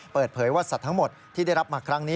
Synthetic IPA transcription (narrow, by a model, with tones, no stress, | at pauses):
pɤː˨˩t̪̚pʰɤː˩˦jwaː˥˩sa˨˩t̪ʰːa˦˥ŋmo˨˩t̪̚ʰːiː˥˩da˥˩jɾa˦˥p̚maː˧kʰɾa˦˥ŋniː˦˥